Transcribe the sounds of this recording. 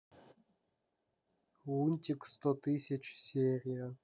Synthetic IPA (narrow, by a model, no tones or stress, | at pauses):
unʲt̪ʲikst̪ot̪ɨsʲet͡ʃsʲerʲijɐ